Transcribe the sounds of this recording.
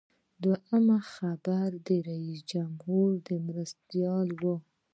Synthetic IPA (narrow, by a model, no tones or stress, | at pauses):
d̪waʔəmaxabaɾd̪əɾaisd͡ʒamhuɾd̪əmɾast̪jɑlwə